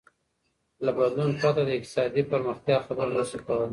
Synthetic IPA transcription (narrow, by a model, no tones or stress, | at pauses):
labad̪lunpɑt̪ad̪əɪk̚t̪ɪ̥sɑd̪ipəɾməxt̪jɑxabəɾnəʃikawəl